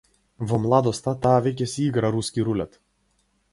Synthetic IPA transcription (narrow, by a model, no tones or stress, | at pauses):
vɔmlˠad̪ɔst̪at̪aːvʲɛk̬ʲɛsʲiɡɾɐɾusʲkʲiɾulʲɛt̪